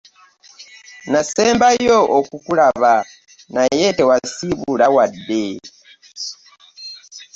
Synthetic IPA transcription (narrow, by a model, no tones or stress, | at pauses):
nasɛmbajɔʔɔkukulaβa | najɛtɛwasiβulawadɛ